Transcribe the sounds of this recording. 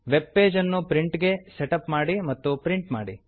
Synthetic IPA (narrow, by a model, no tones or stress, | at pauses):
ʋebːe̞ːd͡ʒɐnːupɾiɳʈɡe̞seʈɐpmaːɽimɐt̪ːupɾiɳʈma̰ːɽḭ